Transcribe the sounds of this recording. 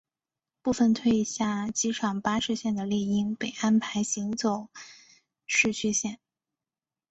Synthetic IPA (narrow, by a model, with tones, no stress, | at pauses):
pu˥˩fə˨˩nt̪ʰwe˥ɪɕja˥˩t͡ɕi˧˥ʈ͡ʂʰɑ˨˩ŋpa˥ʂɻ̩˥˧ɕjɛ˥˩nd̪ə˩ljɛ˥˩i˥˩ŋpe˨˩ɪʔa˥npʰa˧˥ɪɕi˧˥ŋt͡so˨˩ʊ | ʂɻ̩˥˧t͡ɕʰy˥˧ɕjɛ˥˩n